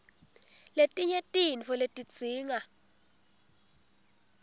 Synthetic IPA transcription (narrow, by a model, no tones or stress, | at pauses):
letʼiɲetʼinfɔletʼid̥ʱiːŋa